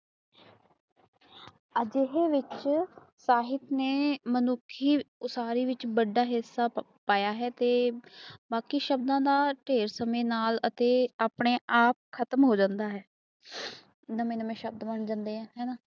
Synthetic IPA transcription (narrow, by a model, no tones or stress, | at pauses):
əd͡ʒɪɦeːʋɪt͡ʃ | saːɦɪt̪neːmənʊkʰːiːʊsaːɾiːʋɪt͡ʃbəɖːaːɦɪsːaː | paːjaːɦɛːt̪eːbaːkiːʃəbd̪ãːd̪aːʈeːɾsəmẽːnaːlət̪eːaːpɳeːʔaːp̚kʰət̪əmɦoːd͡ʒãːnd̪aːɦɛː | nəmẽːnəmẽːʃəb̚d̪məɳd͡ʒãːnd̪eːãːɦɛːnãː